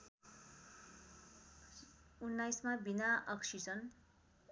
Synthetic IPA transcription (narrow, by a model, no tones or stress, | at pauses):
unːajsmabinaʔʌksisʌn